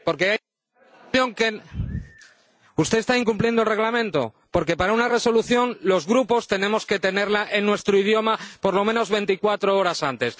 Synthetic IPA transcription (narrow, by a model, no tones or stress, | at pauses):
po̞ɾke̞a | o̞ŋke | ust̪e̞ːst̪aiŋkumplje̞nd̪olre̞ɣlamẽnt̪o̞̰ | po̞ɾk̬e̞paɾaunare̞so̞luθjo̞nlo̞zɣɾupo̞st̪e̞nẽ̞mo̞ske̞t̪e̞ne̞ɾlaʔenːwe̞st̪ɾoið̞jo̞mapo̞ɾlo̞mẽ̞no̞zβe̞nt̪ikwat̪ɾoo̞ɾasant̪e̞s